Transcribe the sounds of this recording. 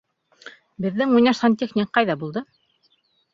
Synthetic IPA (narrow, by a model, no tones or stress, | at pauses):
bɘ̆ðːɘŋujnɑʃsʁɑnt̪ʲexnʲik̚qɑjðɑbulˠd̪ɤ